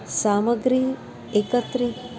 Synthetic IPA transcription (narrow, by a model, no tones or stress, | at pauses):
saməɡɾi | ekət̪ɾi